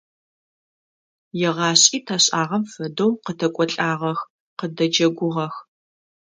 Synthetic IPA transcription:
jɛʁɑːɕʼiːtʰaɕʼaːʁɐmfɐdowqətʰɐkʷʼɔɬʼaːʁɐx | qədɐd͡ʒɐɡʷʊʁɐx

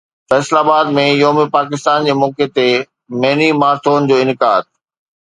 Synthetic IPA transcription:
fɛːslaːbaːd̪mẽjoːmepaːk̬ɪst̪aːnd͡ʑeːmɔːket̪e | mɐɦnimaːɾt̪ʰoːnd͡ʑoːɪnɪkaːd̪̚

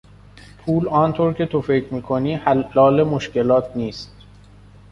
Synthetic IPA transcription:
pʰuːlɒːnt̪ʰoɾcʰe̞t̪ʰofe̞cʰɾmiːkʰoniːhælɒːle̞moʃce̞lɒːt̪ʰniːst̪̚

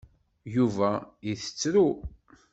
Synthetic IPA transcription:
juvæiθə̥t͡sːɾu

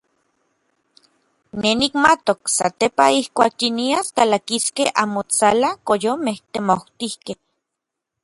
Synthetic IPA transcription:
nenikmat̪oksa̰t̪epaihkʷaːk̚jiniaskalakiskeha̰ːmot͡salakojomeht̪emowt̪ihkeh

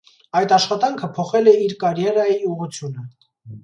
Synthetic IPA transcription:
ɑjt̪ɑʃχɑt̪ɑŋkʰəpʰɔχɛlɛiɾkɑɾjɛɾɑjiuʁut͡sʰjunə

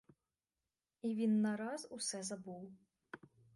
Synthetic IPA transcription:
ivʲinːaɾasusɛzabuw

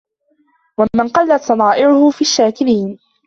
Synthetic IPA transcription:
wamɪnqɑlːat̪sˤɑnˤɑːʔɪʕʊhʊfiːʃːaːkɪɾiːn

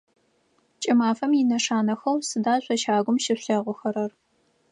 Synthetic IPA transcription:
t͡ʃʼɪmaːfɐmjɪnɐʂaːnɐxɐwsɨdaːɕʷʼɐʃaːɡʷʊmʃɪɕɐʁʷʊxɐɾɐr

